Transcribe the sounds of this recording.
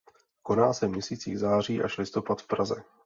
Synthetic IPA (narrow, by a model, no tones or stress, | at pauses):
ko̞naːsɛmɲɛsiːt͡siːɣzaːr̝iːʔaʃlɪst̪o̞pat̪fpɾazɛ